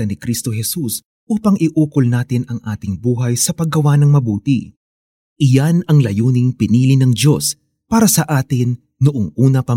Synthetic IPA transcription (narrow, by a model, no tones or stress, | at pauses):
ɐnɪkɾist̪o̞ɦɛsus | ʔuːpɐŋʔɪʔuːkolnaːt̪ɪnɐŋʔaːt̪ɪŋbuːɦɐjsɐpɐɡɐwanɐŋmɐbuːt̪ɪ | ʔɪjanɐŋlɐjuːnɪŋpɪniːlɪnɐŋd̪o̞s | paːɾɐsɐʔaːt̪ɪnː | ʊʔoŋʔuːnɐpɐ